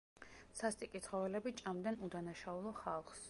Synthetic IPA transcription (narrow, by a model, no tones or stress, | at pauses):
sast̪ʼikʼit̪ʰχɔvɛlɛbit͡ʃʼamd̪anud̪anaʃaulˠɔχalˠχs